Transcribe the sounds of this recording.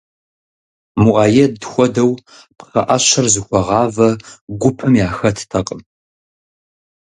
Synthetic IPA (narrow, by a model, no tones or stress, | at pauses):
muʔɑːjɛdxʷɔdɐw | pχɐʔɐɕɐrzɨxʷɔʁɑːvɐɡʷʊpʰɨmjaːxɐtʰtʰɐqʼəm